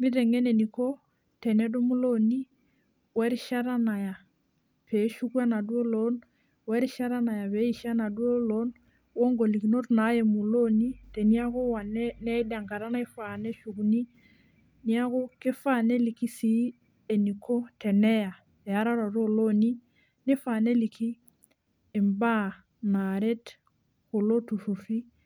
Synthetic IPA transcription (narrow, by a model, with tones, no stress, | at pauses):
mi˦ɾɛ˨ŋɛ˦ne˨ni˨ko˦ | tɛ˨nɛ˦do˦mu˦lo˦ni˦ | wɛ˦ɾi˦ʃa˦ɾa˦na˨ja˨ | pe˨˦ʃu˦kwa˦na˨dwo˦lo˦n | wɛ˦ɾi˦ʃa˦ɾa˦na˨ja˨βe˨˦i˦ʃa˦na˨dwo˦lo˦n | wo˦ŋɡo˨li˨ki˨no˦tna˨˦jɛ˨mu˨lo˦ni˦te˨ni˦a˦ko˦wa˨nɛ˦nɛ˦da˨ŋɡa˨ɾa˦na˦i˦fa˨nɛ˦ʃu˨kuni˦ | ni˦a˦ko˦kɪ˦fa˦˨ne˦li˨ki˦si˦ | e˨ni˨kʰo˦tɛ˨nɛ˦ja˨ | ɛ˨a˨˦ɾa˦ɾɔ˨ɾo˦lo˦ni˦ | nɪ˦fa˨ne˦li˨kʰi˦ | ɪ˨mba˦ | na˨ɾe˦t | ko˨lo˦tu˨fu˨fi˦